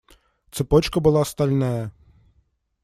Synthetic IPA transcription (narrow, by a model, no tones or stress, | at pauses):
t̪sɪpɔt͡ʃkɐbʊlˠɑst̪ɐlʲnɛjɐ